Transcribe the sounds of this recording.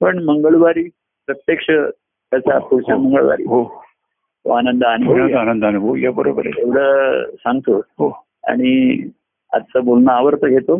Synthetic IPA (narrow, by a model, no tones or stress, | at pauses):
pəɳməŋɡəɭʋaɾiː | pɾət̪jekʂə | t̪jat͡sapuɽt͡ɕaməŋɡəɭʋa̰ɾḭɦo | ɦo̰anənd̪əanubʱnənd̪anənd̪anubʱojabəɾo̰pəɾḛeʋɽ̤əsãŋɡt̪oɦo | a̰ɽ̃i | a̰d͡zt͡səbolnəaʋəɾt̪əɡʱet̪o